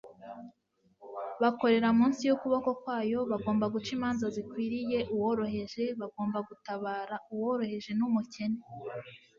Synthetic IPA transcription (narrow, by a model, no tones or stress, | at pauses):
βako̞ɾe̞ɾamuːnsijokuβako̞kwaːjo̞βaɡo̞ːmbaɡut͡ʃimaːnzazikwiːɾije̞ʔuwoɾo̞ɦe̞ʒe̞βaɡo̞ːmbaɡutaβaːɾauwoɾo̞he̞ʒe̞numuce̞ne